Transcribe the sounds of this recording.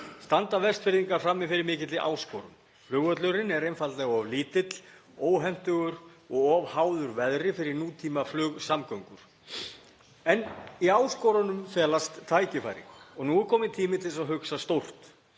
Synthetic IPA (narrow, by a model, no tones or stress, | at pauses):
st̪ant̪avɛrst̪fɪɾðiŋkḁfɾamːɪfɪɾɪɾmɪːcɪt̪lɪʔa̰ːwsko̰ːwɾʏ̰m | flʏːɣœt̪lœɾɪnɛɾejnfalt̪lɛɣaavliːt̪ɪt̪l̥oːwɦɛm̥t̪ʏɣʏɾɔɣɔvhaːwðʏɾvɛðɾɪfɪɾɪɾnuːt̪ʰiːmaflʏːɣsamkœwŋkʏɾ̥ | ɛniaːwskɔːwɾanʏmθɛːlast̪ʰːaːjcɪfa̰jɾḭŋkɔɣnuɛɾkʰɔːmɪt̪ʰiːmɪt̪ʰɪlsaðɦʏksast̪owr̥t̪